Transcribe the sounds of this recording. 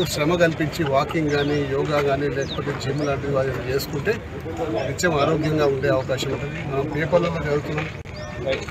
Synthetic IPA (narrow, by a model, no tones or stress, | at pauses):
ʃɾɐmɐɡɐlipiɲt͡ʃiʋaːkiŋɡɡaːniːjɔːɡaːɡaːnilɛːkɐ̥poːt̪eːd͡ʒiːmulaːɳʈid̪iʋaːɾɐt͡ʃe̞ːsu̥kuɳʈe̞ː | ʋit͡ʃːɐmaːɾoːɡjɐŋɡaːuɳɖe̞ːɐʋɐkaːʃɐmuɳʈɐimɐnɐmpiːɐpɐlːɐloːd͡ʒɐɾɡut̪unːaːm